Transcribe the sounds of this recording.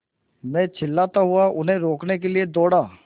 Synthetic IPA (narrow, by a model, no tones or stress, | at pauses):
mɛ̃ːt͡ʃʰɪlːaːt̪aɦʊaʔʊnɦẽɾoːknekelied̪ɔːɽaː